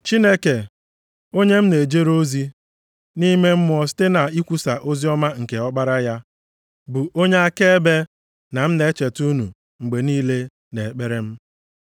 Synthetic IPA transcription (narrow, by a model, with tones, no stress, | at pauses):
t͡ʃi˦ne˦ke˨ | o˦ɲe˦m̩˦ne˨d͡ʒe˦ɾo˦zi˦ | ni˦me˦m̩˦mʊ˨ɔ˨s̬i̥˦te˦na˨i˦kʷu˦sa˨ʔo˦zi˦ɔ˦ma˦ŋ̩˨ke˨ɔ˦ɡ͡ba˦ɾa˦ja˦ | bu˨ʔo˦ɲe˦a˦ke˦e˦be˦ | na˨m̩˦ne˨˦t͡ʃe˨tu˦nṵ˨ | ŋ͡m̩˨ɡ͡be˨niː˦le˦ | ne˨k͡pe˦ɾe˦m̩˦